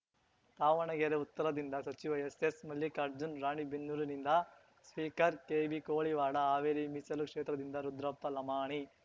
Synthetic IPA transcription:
t̪aːʋɐɳɐɡeɾeut̪ːɐɾɐd̪ind̪ɐsɐt͡ʃiʋɐesesmɐlːikɐɾd͡ʒunɾaːɳibinːuɾinind̪ɐ | spiːkɐɾkeːbikoːɭiʋaːɽɐaːʋeːɾimisɐlukʂeːt̪ɾɐd̪ind̪ɐɾud̪ɾɐpːɐlɐmaːɳi

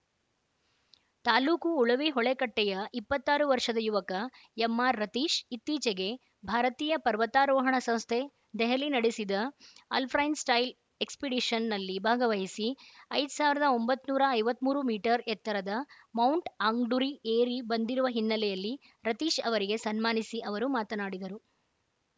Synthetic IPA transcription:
t̪aːluːkuːɭɐʋiɦɔɭekɐʈːɛjɐʔipːɐt̪ːaːɾuʋɐɾʂɐd̪ɐjuʋɐkɐ | jɛmːaːɾːɐt̪iːʃit̪ːiːt͡ʃeɡe̞ | bʱaːɾɐt̪iːjɐpɐɾʋɐt̪aːɾɔːɦɐɳɐsɐ̃mst̪ʰe | d̪ɛɦɐlinɐɽisid̪ɐɐ̰lpʰɾɐjnsʈɐjl | ekspiɖiʃɐnːɐlːibʱaːɡɐʋɐɦisiɐjd̪usaːʋiɾɐd̪ɐo̞mbɐt̪ːnuːɾɐːjʋɐt̪ːmuːɾumiːʈɐɾɛt̪ːɐɾɐd̪ɐ | mɐwɳʈaːŋɡɖuɾieːɾibɐnd̪iɾuʋɐɦinːɐlɛjɐlːi | ɾɐt̪iːʃɐʋɐɾiɡe̞sɐnmaːnisiʔɐʋɐɾumaːt̪ɐnaːɽid̪ɐɾu

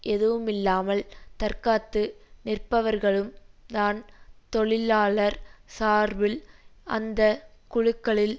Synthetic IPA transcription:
ɛðɯʋɯmɪlːaːmɐlt̪ɐɾkaːt̪ːɯnɪrpɐʋɐɾɣɐɭɯmt̪aːnt̪ɔɭɪlaːɭɐɾsaːɾʋɪlʔɐ̰nd̪ɐkʊɻɯkːɐɭɪl

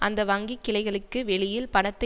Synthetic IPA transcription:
ʔɐnd̪ɐʋɐŋɡikːɪlɐɪɣɐɭɯkːɯʋɛɭɪjɪlpɐɳɐt̪ːɐ

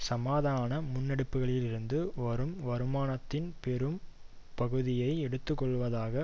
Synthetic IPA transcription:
sɐmaːðaːnɐmʊnːɛɽɯpːɯɣɐɭɪlɪɾɯnd̪ɯʋɐɾɯmʋɐɾɯmaːnɐt̪ːɪnpɛɾɯm | pɐɣɯðɪjɐɪɛɽɯt̪ːɯkːɔɭːʋɐðaːɣɐ

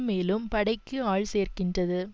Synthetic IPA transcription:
meːlɯmpɐɽɐɪkːɯaːɭseːrkɪndrɐðɯ

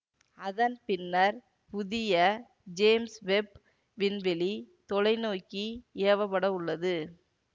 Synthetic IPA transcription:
ɐðɐnpɪnːɐɾ | pʊðɪjɐ | d͡ʒeːmsʋɛp | ʋɪnʋɪlit̪ɔlɐɪnoːkːieːʋɐpːɐɽɐʊɭːɐðɯ

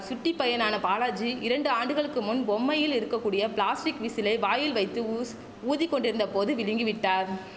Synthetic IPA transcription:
sʊʈːipːɐjɐnaːnɐpaːlɐd͡ʒiɪɾɐɳɖɯaːɳɖɯɣɐɭɯkːɯmʊnbɔmːɐjɪlɪɾɯkːɐkːuːɽɪjɐpɭaːsʈɪkʋisɪlɐɪʋaːjɪlʋɐɪt̪ːɯ | uːðikːɔɳɖɪɾɯnd̪ɐpoːðɯʋɪlɪŋɡɪʋɪʈːaːɾ

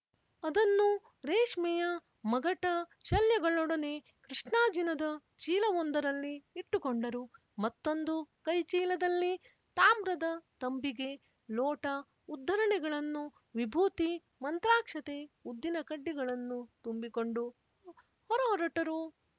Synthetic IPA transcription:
ɐd̪ɐnːu | ɾeːʂmɛjɐ | mɐɡɐʈɐt͡ʃɐljɐɡɐɭɔɽɐne̞ | kɾiʂɳaːd͡ʒinɐd̪ɐ | t͡ʃiːlɐʋond̪ɐɾɐlːiːʈːukoɳɖɐɾu | mɐt̪ːo̞nd̪ukɐjt͡ʃiːlɐd̪ɐlːi | t̪aːmbɾɐd̪ɐt̪ɐmbiɡe̞ | lɔːʈɐ | ud̪ʱːɐɾɐɳɛɡɐɭɐnːu | ʋibʱuːt̪i | mɐnt̪ɾaːkʂɐt̪e̞ud̪ːinɐkɐɖːiɡɐɭɐnːut̪umbiko̞ɳɖu | hɔɾɐɦɔɾɐʈɐɾu

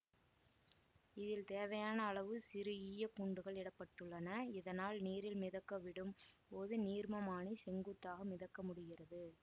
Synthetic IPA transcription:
ɪðɪlt̪eːʋɐjaːnɐːɭɐʋɯsɪɾɯiːjɐkuɳɖɯɣɐɭɛɽɐpːɐʈːɯɭːɐnɐɪðɐnaːlniːɾɪlmɪðɐkːɐʋɪɽɯmpoːðɯniːɾmɐmaːɳisɛŋɡɯt̪ːaːɣɐmɪðɐkːɐmʊɽɪɣɪrɐðɯ

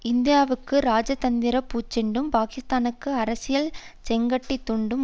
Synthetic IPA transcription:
ɪnd̪ɪjaːʋɯkːɯɾaːd͡ʒɐt̪ɐnd̪ɪɾɐpːuːt͡ʃːɛɳɖɯmpaːkɪst̪aːnɯkːɯɐɾɐsɪjɐlt͡ʃɛŋɡɐʈːit̪ːuɳɖɯm

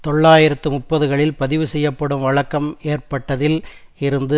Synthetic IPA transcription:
t̪ɔɭːaːjɪɾɐt̪ːɯmʊʈ̚pːɐðɯɣɐɭɪlpɐðɪʋɯsɛjːɐpːɐɽɯmʋɐɭɐkːɐmeːrpɐʈːɐðɪlɪɾɯnd̪ɯ

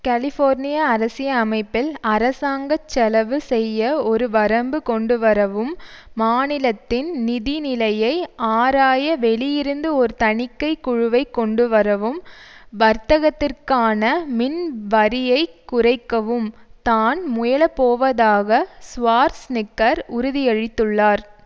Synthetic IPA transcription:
kɐlɪfoːɾnɪjaːɾɐsɪjɐːmɐɪpːɪlɐɾɐsaːŋɡɐt͡ʃːɛlɐʋɯsɛjːɐɔɾɯʋɐɾɐmbɯkɔɳɖɯʋɐɾɐʋɯmːaːnɪlɐt̪ːɪnnɪðɪnɪlɐjɐɪʔaːɾaːjɐʋɛɭɪjɪɾɯnd̪ɯɔɾɯt̪ɐɳɪkːɐɪkʊɻʊʋɐɪkːɔɳɖɯʋɐɾɐʋɯmʋɐɾt̪ɐɣɐt̪ːɪrkaːnɐmɪnʋɐɾɪjɐɪkʊrɐɪkːɐʋɯmt̪aːnmʊjɐlɐpoːʋɐðaːɣɐsʋaːɾsnɪkːɐɾʊɾʊðɪjɐɻɪt̪ːɯɭːaːɾ

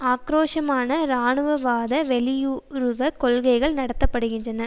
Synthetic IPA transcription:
aːkɾoːʂɐmaːnɐɾaːɳɯʋɐʋaːðɐʋɛlɪjuɾɯʋɐkɔlɣɐɪɣɐɭnɐɽɐt̪ːɐpːɐɽɯɣɪndrɐnɐ

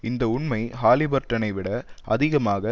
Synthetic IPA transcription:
ɪnd̪ɐʊɳmɐɪɦaːlɪbɐɾʈːɐnɐɪʋɪɽɐɐðɪɣɐmaːɣɐ

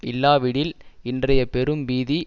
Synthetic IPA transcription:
ɪlːaːʋɪɽɪlɪndrɐjɐpɛɾɯmʋiːði

